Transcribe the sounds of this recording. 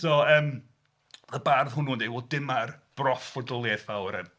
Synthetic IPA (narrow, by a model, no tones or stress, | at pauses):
sɔəːm | əbarðɦʊnuːndejvodɪmarb̥rɔfɔdɔlˠjɛθawɾə̰m